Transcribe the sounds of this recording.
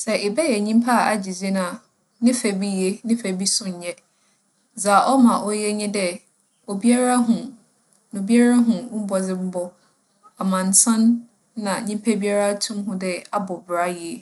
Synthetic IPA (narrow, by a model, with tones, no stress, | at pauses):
sɛ˨ʔɪ˨bɛ˦jɛ˨ɲĩ˦mpʰa˦a˨ʔa̰˨d͡ʑi˨ze˦nã˨ | nɪ̃˦fæ˨bi˦je˦nɪ̃˦fæ˨bi˦sʊ̃˦ɲ˨ɲɛ˦ | d͡za˨ʔɔ˦mã˨ʔɔ˦jɛ˦ɲɪ̃˦dɛ˦ | o˨bi˦a˦ɾa˦ɦʊ̃˨ | nʊ̃˨bi˦a˦ɾa˦ɦʊ̃˨˦bɔ˨d͡zɪ˨m̩˦bɔ˨ | a˨mã˨n˨tʰã˦nː | ã˨ɲĩ˦m˦pʰæ˦bi˦a˦ɾa˦tʰʊ̃˦mɦʊ̃˦dɛ˦a˦bɔ˨bɾa˦ji˨ɛ˨